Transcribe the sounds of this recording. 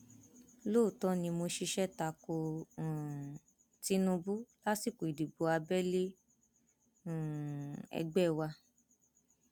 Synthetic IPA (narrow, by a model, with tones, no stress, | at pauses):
lo˦˨tɔ˦nĩ˧mo˧ʃi˧ʃɛ˦ta˧kõ˧˨ | ti˦nũ˧bu˦la˦si˦˨ko˨i˨di˨bo˧a˧bɛ˦le˦˨ | ɛ̰˧ɡ͡bɛ˦˨wa˧